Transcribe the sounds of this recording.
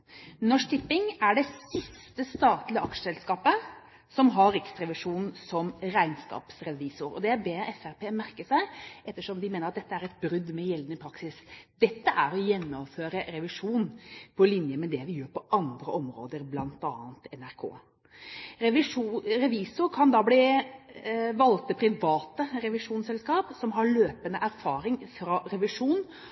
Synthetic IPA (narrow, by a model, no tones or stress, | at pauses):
nɔʂt̪ʰɪpːɪŋæɖɛsɪst̪əst̪ɑːt̪lɪəʔɑkʂə̥sɛlskɑːpə | sɔmɦɑɾɾɪksɾɛʋɪʂuːnn̩sɔmɾæɪnskɑ̰ːpsɾɛʋiːsʊɾɔ̰d̪ɛæɾbeːɛfæɾpeːmæɾkəsæɪʔɛt̪ːəʂɔmd̪ɪmeːnəɾɑt̪d̪ɛt̪ːəæɾɛt̪̚bɾʏd̪mɛjɛlnɪpʰɾɑksɪsd̪̥ɛt̪ːəʔæɾɔjɛnːɔmføːɾəɾɛʋɪʂuːnpʰɔlɪnjəmɛd̪ɛʋɪjøːɾpʰɔʔɑnd̪ɾəʔɔmɾo̰ːd̪əɾblɑnt̪ɑ̰ːənt̪ɛnæɾkʰo̰ː | ɾɛʋɪʂɾɛʋiːsʊɾkʰɑnd̪ɑbli | ʋɑlt̪əpʰɾɪʋɑːt̪əɾɛʋɪʂuːnsɛlskɑːpsɔmɦɑɾɭøːpənəʔæɾfɑːɾɪŋfɾɑɾɛʋɪʂuːn